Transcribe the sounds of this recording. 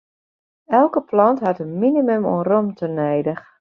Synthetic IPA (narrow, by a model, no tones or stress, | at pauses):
ɛlˠkəplɑntɦatənminimømo̰ənromtʰənɛjdəx